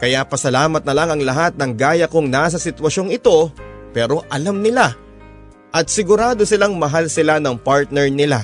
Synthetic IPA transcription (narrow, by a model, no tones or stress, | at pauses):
kɐjapɐsɐlaːmɐt̪̚nɐlaŋɐŋlɐɦat̪̚nɐŋɡaːjɐkoŋnaːs̬ɐsɪt̪wɐʃo̞ŋɪt̪o̞pɛːɾo̞ʔɐlamnɪla | ʔɐt̪̚sɪɡʊɾaːd̪osɪlaŋmɐɦalsɪlanɐŋpaɹt̪̚nɛɹnɪla̰